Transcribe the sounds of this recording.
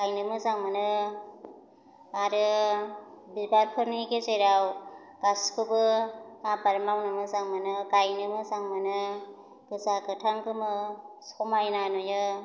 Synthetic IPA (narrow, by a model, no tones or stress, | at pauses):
ɡajnɯmɯzaŋmɯnɯ | aɾɯ | bibaɾpʰɯɾnikezejɾaw | ɡ̥askʰɯbɯabaɾmawnɯmɯzaŋmɯnɯɡajnɯmɯzaŋmɯnɯ | ɡ̥ɯzakɯtʰaŋkɯmɯ | sɔmajnanujɯ